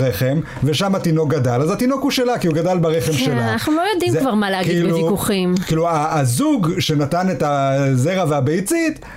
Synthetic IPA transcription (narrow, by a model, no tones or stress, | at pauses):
ʁeχem | ve̞ʃamatino̞k̚ɡadalazatino̞khuʃelakiuɡadalbaʁeχe̞mʃelanaχnulo̞jodimzkvaʁmaleaɡkidiluvikuχimkiluaːzuɡʃe̞natane̞tazeʁaveabejt͡sit